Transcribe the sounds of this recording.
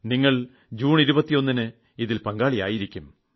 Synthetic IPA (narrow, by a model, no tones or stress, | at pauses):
niŋːɐɭ | d͡ʑuːniɾubɐt̪ːijo̞nːinɨ | iðilpɐŋɡaːɭija̰ːjiɾikʲːum